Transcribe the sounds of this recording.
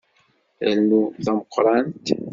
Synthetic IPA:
ælnuθæməqːɾˤɑnt̪

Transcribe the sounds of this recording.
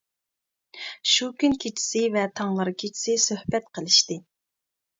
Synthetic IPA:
ʃukʲynkʲʰet͡ʃʰi̥sɪvɛt̪ʰɑŋlˠɨɾkʲʰet͡ʃʰi̥sɪsøhbɛt̪̚qʰəlˠɨʃt̪ɨ

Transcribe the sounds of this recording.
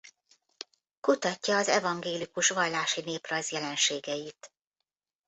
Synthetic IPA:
kut̪ɒcːɒːzɛvɒŋɡeːlikuʃʋɒjlaːʃineːprɒjzjɛlɛnʃeːɡɛjit̪

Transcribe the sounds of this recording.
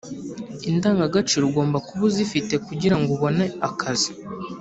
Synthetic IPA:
indaːŋɡaɡat͡ʃiɾuɡo̞ːmbakuβuzifite̞kuɟiɾaŋɡuβo̞ne̞akʰazi̥

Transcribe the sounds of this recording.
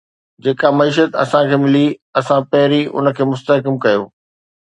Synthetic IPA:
d͡ʑeːkamɐiːʃ̬ət̪ɐ̰sãkʰeːmɪliɐsãpɐɦɪɾiʔʊ̰nə̆kʰeːmʊst̪əɦkəmkɐjoː

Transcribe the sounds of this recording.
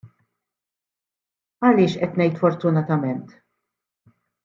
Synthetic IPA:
ɐlɪːʃʔɛt̪nɛjt̪fɔɾt̪ʊnɐt̪ɐmɛnt̪

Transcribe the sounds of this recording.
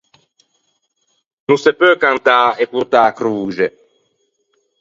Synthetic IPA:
nũsepøkãnt̪aːekut̪akɾuːʒe

